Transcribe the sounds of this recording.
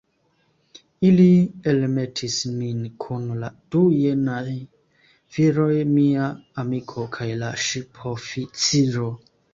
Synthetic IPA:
ilielmetʰisminkʰunlad̥ujenaj | viɾo̞jmiaːmikʰo̞kʰajlaʃipʰofit͡siɾo

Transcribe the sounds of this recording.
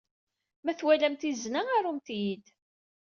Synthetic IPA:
mæθwælæmt̪iznaaɾumt̪jid̪

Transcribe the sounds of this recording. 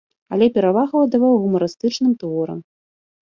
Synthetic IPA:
alʲɛpʲɛɾavaɣɐwɐd̪avawɣumɐɾɨst̪ɨt͡ʂnɨmt̪vɔɾɐ̰m

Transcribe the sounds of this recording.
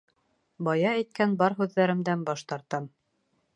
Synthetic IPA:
bɑjɑæjt̪̚kænbɑɾɦʉðːæɾɘ̆md̪ænbɑʃt̪ɑɾt̪ɑm

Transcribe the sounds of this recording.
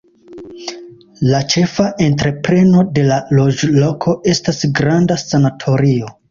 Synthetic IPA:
lat͡ʃe̞faʔe̞ntɾe̞pɾe̞no̞de̞lalo̞d͡ʒlo̞kʰo̞ʔe̞stasɡɾandasanatʰo̞ɾio̞

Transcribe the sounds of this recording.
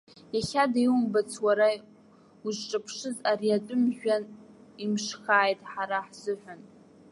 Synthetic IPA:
jaχʲadajwumbat͡sʰwaɾa | uʐʈ͡ʂʼɨpʰʂɨzariatʷʼʊmʒᶣanimʂxaːjtʼħaɾaħz̥ɨħʷᶣan

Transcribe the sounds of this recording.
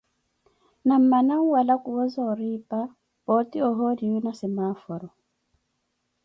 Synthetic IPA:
nam̩manaŋwalakʼuwɔzaɔɾiːpʼa | pɔtʼiɔɦɔdiunasɛmafɔɾɔ

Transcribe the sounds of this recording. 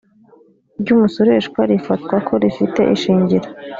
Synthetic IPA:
ɾɟuːmusoɾe̞ʃkwaɾifatkwakʰo̞ɾifite̞̰ʔiʃiːɲɟiɾo

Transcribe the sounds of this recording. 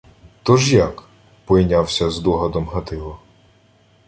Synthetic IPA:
t̪ɔʒjak | pɔjnʲawsʲɐzd̪ɔɦɐd̪ɔmɦɐt̪ɪlˠɔ

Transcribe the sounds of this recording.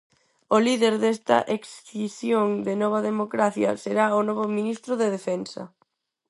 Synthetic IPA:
oliðeɾðest̪ɐ̰ʔeksθisjoŋd̪enɔβ̞ɐðemokɾaθjɐ̰seɾaonɔβ̞ominist̪ɾʊðeðefɛnsɐ̰

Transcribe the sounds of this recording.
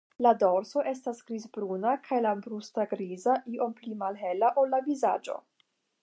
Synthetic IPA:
lado̞ɾso̞ʔe̞stasɡ̥ɾizbɾunakʰajlabɾustaɡɾizaʔiʔo̞mplimalɦe̞laʔo̞lːaviza̰d͡ʒo̞̰

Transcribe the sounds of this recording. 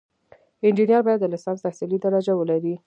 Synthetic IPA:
ɪnd͡ʒinijɑɾbɑjad̪ːəlɪsɑnst̪asilid̪aɾɑd͡ʒawəlaɾi

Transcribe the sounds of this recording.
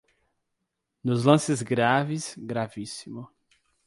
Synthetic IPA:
nʊzlɐ̃sɪzɡɾavɪsɡɾavisimʊ

